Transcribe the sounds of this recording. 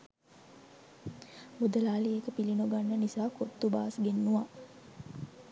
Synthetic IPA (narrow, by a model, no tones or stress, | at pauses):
bud̪əlaːliekəpilinuɡanːənisaːkot̪ːuba̰ːsɡenːuʋa